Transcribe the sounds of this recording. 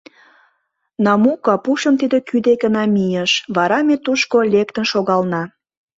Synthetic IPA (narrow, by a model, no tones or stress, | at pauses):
nɑmukɑpuʃəmt̪id̪ĕkyd̪ekənɑmʲijeʃβɑɾɑmet̪uʃkolʲekt̪ənʃoɣɑlnɑ